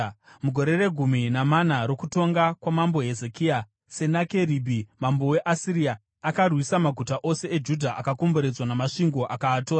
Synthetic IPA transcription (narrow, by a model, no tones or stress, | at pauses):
muɡʱo̞ɾe̞re̞ɡʱuminamanaɾo̞kuto̞ŋɡakwamambo̞ɦe̞zekia | se̞nake̞ribʱimambo̞we̞ʔasiɾiaː | karwisamaɡʱutaʔose̞ʔed͡ʒudʱaʔakakomboɾe̞d͡zwanamaʂiŋɡo̞ʔakaːtoːra